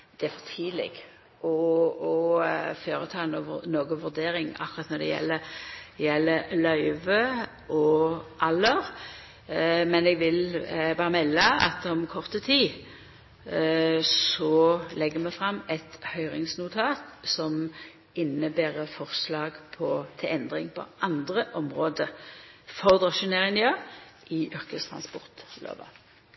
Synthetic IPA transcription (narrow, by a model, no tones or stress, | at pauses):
d̪̥ɛæfɔt̪ʰiːlɛ̰ɡ | ʔɔɔføːɾət̪ʰɑːnɔnoːɡəʋʉʁd̪eːɾɪŋɑ̰kːʊʁɑt̪nɔd̪ɛ̰jɛ̰lːəjɛlːəlœʏʋə | ʔɔʔɑlːəʁ | mɛnɛɡʋɪlbɑːɾəmɛlːəɑ̰t̪ɔmkʰɔʁt̪ət̪ʰiː | sɔlɛɡːəmɛfɾɑmːɛt̪hœʏʁɪŋsnʊt̪ʰɑːt̪sɔm | ɪnəbeːʁəfɔʁslɑːɡpʰɔt̪ʰɪlɛnd̪ʁɪŋpʰɔ̰ʔɑnd̪ʁəʔɔmʁoːd̪əfɔʁd̪ʁɑʃʉneːʁɪŋnɪøːʔɪʔʏʁkəst̪ʰʁɑ̰nspɔʁt̪lø̰ːʋɑ̰